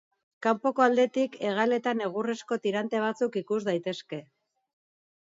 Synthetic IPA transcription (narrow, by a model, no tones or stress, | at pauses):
kampo̞ko̞ald̪e̞t̪ike̞ɣale̞t̪ane̞ɣ̞uresko̞t̪iɾant̪e̞β̞at͡sukikuzd̪ajt̪e̞ske̞